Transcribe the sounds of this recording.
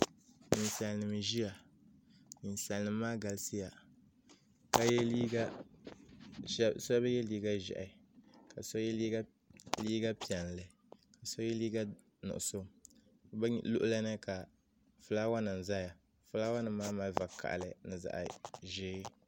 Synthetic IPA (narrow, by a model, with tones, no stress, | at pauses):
ɲi˨n˨sa˨lnɨ˨m˨ʒi˦a˨ | ni˨nsa˨n˨nɨː˨˦aː˦ɡa˨lsi˦ja˨ | ka˦jɛ˦li˦ɡa˦ | sɔ˦a˦ba˦jɛ˦liː˦ɡa˦ʒɛ̰˨ʔa˨˦ka˨sɔ˦j | liː˦ɡa˦pi˨ɛ˨n˨lɨ˨ | ka˨sɔ˦jɛ˦liː˦ɡa˦ | nʊ̰˨ʔʊ˨so˦ | blʊ̰˦ʔʊ˦la˦nɨ˦ka˨ | fʊ˨˦la˦wa˦nɨ˨n˨za˦ja˨ | fʊ˦laː˦wa˦nɨ˨mː˦aː˦ma˦va˨ka̰˨ʔlɨ˨nɨ˨za̰˨ʔʒɪ˦